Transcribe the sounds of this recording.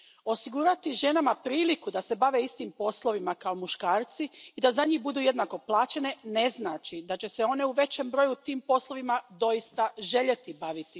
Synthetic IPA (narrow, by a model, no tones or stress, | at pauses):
o̞siɡuɾat̪iʒe̞namapɾiːlikud̪ase̞baʋe̞ist̪iːmpo̞slˠo̞ʋimakao̞muʃkaːɾt̪siid̪azaɲiːxbud̪uːje̞d̪nako̞plˠaːt͡ɕe̞ne̞ne̞znaːt͡ʃid̪at͡ɕe̞seo̞ne̞uʋe̞t͡ɕembɾo̞jut̪iːmpo̞slˠo̞ʋimad̪o̞jist̪aʒe̞ʎe̞t̪ibaʋit̪i